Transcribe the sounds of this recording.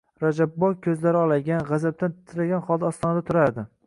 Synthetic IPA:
ɾad͡ʒabːɒjkʲʰɵzlaɾɪɒlˠaɡʲanʁazab̚t̪ant̪t̪ʰɪɾaɡʲanχɒlˠd̪aɒst̪ɒnd̪at̪ʰʊɾaɾd̪ɪ

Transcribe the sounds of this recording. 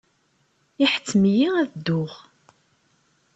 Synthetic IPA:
iħə̥t͡sːəmjiæðd̪ːʊʁ

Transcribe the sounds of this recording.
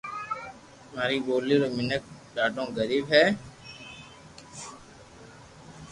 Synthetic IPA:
maːɾiːɓoːliːɾoːmɪnək̚ɗaːɖõːɡəɾiːbɦɛː

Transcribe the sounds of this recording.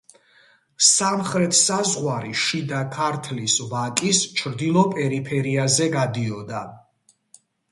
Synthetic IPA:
samχɾɛt̪ʰsazʁwaɾiʃid̪akʰaɾt̪ʰlisvakʼist͡ʃʰɾd̪ilˠɔpʼɛɾipʰɛɾiazɛɡad̪iɔd̪a

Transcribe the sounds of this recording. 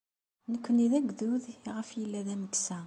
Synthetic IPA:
nəkʷːəniðæɡðuðʁəfjəlːæðæməksæ

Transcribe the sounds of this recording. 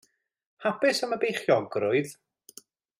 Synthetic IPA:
hapɪsəməbejχjɔɡrʊɨð

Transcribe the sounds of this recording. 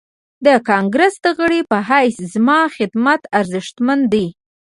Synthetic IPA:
d̪əkɑŋɡɾəsd̪əɣəɽipəɦajszmɑxɪd̪mat̪aɾzɪʃt̪mand̪i

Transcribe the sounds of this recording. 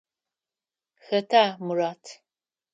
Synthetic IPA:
xɐtʰaːmuraːtʰ

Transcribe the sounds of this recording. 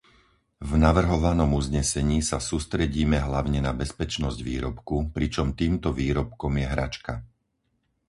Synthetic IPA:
vnaʋr̩ɦɔʋanɔmuzɲɛsɛɲiːsasuːst̪ɾɛɟiːmɛɦlaʊɲɛnabɛspɛt͡ʃnɔzɟʋḭːɾɔpkupɾit͡ʃɔmt̪iːmt̪ɔʋiːɾɔpkɔmjɛɦɾa̰t͡ʃka

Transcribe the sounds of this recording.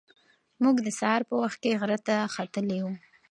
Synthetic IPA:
muɡd̪əsɑɾpəwaxt̪̚keɣɾat̪axat̪əlewu

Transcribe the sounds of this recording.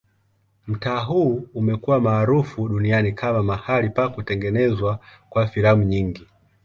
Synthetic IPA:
m̩taːɦuumɛkuwamaːɾufuɗunianikʰamamahalipakutɛŋɡɛnɛzwakwafilamuɲiŋɡi

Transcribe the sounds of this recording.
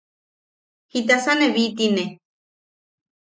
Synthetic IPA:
hit̪̬asaneβit̪ine

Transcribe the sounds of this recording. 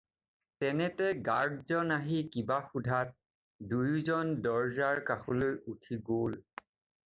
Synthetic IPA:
tɛnɛtɛɡaɹdzɔnaɦikibaxudʱat̚ | dujzɔndɔɹzaɹkaxulojutʰiɡol

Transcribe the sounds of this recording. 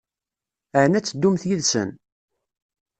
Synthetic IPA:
əʕənæt͡sːd̪ːumθjiðsə̰n

